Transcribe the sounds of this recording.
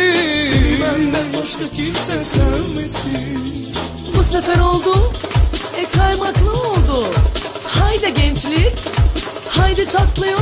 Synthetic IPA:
senibænd̪ænbaʃt̪ˠacʲʰimsɛsaɾmɯsi | busefɛɾo̞lˠd̪ʊ | ɛkʰajmaklˠɯolˠd̪ʊ | hajd̪aɟɛnt͡ʃlʲɪkʲ | hajd̪at͡ʃʰaklˠajo

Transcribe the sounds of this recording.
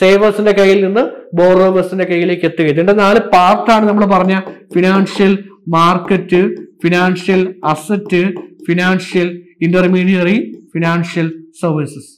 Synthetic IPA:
se̞ːʋɐsinde̞kɐjːilninːɨboːroːbɐsinde̞kɐjːile̞ːkːe̞t̪ːukɣɐjit̪̬ːuɳɖɐnaːlɨpaːrt̪aːɳɨnɐmːɐɭpɐrɐɲːɐfinaːnʂjɐlmaːrkːɐtːɨfinaːnʂjɐlɐsɐtːɨfinaːnʂjɐl | indɐrmiːɽijɐrifinaːnʂjɐlsɐrʋisɐs

